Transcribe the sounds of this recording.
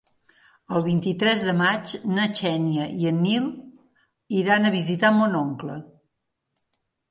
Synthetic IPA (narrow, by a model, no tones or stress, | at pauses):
əlˠβ̞int̪it̪ɾɛzðəmat͡ʃnət͡ʃɛnjəiənːilˠ | iɾanəβizit̪amonɔŋklə